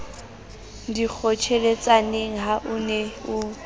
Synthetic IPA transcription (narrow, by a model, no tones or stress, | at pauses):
dik͡xʰɔt͡ʃʰelet͡sʼaneŋ̩ɦaʔʊneʊ